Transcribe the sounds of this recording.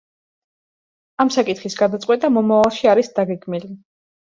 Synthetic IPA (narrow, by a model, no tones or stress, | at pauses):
amsakʼit̪χisɡad̪at̪sʼqʼwɛt̪ʼamɔmavalˠʃiaɾisd̪aɡɛɡmili